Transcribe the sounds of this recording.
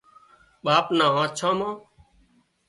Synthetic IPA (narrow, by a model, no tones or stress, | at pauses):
ɓaːpnãːãːt͡ʃʰãːmãː